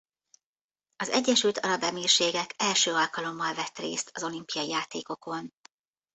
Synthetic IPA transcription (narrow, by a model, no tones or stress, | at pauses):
ɒzɛɟːɛʃylt̪ʰɒɾɒbɛmiːrʃeːɡɛkɛlʃøːɒlkɒlo̞mːɒlvɛt̪rḛːst̪ɒzo̞limpijɒijaːt̪ḛːko̞ko̞n